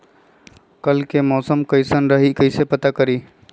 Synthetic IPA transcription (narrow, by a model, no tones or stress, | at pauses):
kəlkemɔːsəmkəɪsənɾəɦikəɪsepət̪akəɾiː